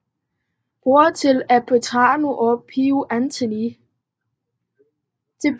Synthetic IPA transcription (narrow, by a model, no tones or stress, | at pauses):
b̥oɐt͡sʰe̝læpʰot͡sʰɑ̰̈ːnuʔɒpʰiuʔænt͡sʰeni | d̥e̝